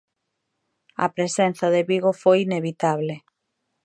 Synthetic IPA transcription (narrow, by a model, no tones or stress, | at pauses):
ɐ̰pɾesen̟θɐðeβiɣofojineβit̪aβle